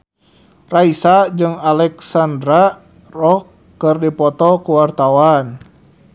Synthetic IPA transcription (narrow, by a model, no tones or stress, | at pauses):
raisad͡ʒɨŋalɛksandɾa | rɔkː | ɨrdipɔt̪ɔkuwart̪awan